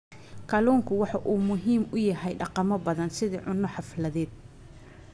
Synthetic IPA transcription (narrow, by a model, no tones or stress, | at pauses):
kʰɐlɔːŋkʰʊwɑħɑʔuːmʊɦiːmʊjɐɦɛjɖɑqɑmɔbɐðɐnsɪðḭːʕʊnːɔħɑflɐðɛːd̪̚